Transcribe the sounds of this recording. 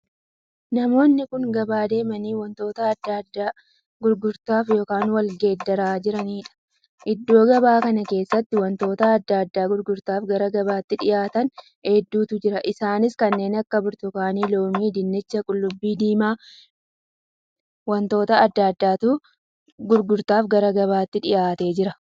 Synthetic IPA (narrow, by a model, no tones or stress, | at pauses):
nɐmo̞ːnːɪkʊŋɡɐbaːd̪e̞ːmɐniːwɐnt̪o̞ːt̪ɐːd̪ːad̪ːaː | ɡʊɾɡʊɾt̪aːfjo̞ːkaːnwɐlɡe̞ːd̪ːɐɾaːd͡ʒɪɾɐniːᶑɐ̥ | ʔɪd̪ːo̞ːɡɐbaːkɐnɐke̞ːsːɐt̪ːɪwɐnt̪o̞ːt̪ɐɐd̪ːaːd̪ːaːɡʊɾɡʊɾt̪aːfɡɐɾɐɡɐbaːt̪ːɪᶑɪjaːt̪ɐn | heːd̪ːuːt̪ʊd͡ʒɪɾɐʔɪsaːnɪskɐnːe̞ːnɐkːɐbʊɾt̪ʊkaːniːlo̞ːmiːd̪ɪnːɪt͡ʃːɐkʼʊlːʊbːiːd̪iːmaː | wɐnt̪o̞ːt̪ɐɐd̪ːɐd̪ːaːt̪ʊ | ɡʊɾɡʊɾt̪aːfɡɐɾɐɡɐβaːt̪ːɪᶑɪjaːt̪e̞ːd͡ʒɪɾɐ